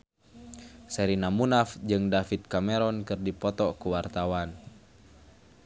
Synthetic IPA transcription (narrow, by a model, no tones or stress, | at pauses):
sɛɾinamunafd͡ʒɨŋdafit̪̚kamɛɾɔnkɨrdipɔt̪ɔkuwart̪awan